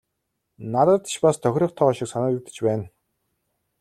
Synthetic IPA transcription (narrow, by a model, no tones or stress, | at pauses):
nat̪ə̆t̪̆ʃpast̪ʰœxʲɾɞ̆χt̪ʰɔːɔʃɪ̆ksanə̆ːut̪ə̥̆t͡ɕpæːn